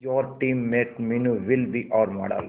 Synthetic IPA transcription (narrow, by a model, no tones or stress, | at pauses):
jɔːɾʈĩːmːeːʈminuʋɪlbiʔɔːɾmɔ̰ːɖə̰l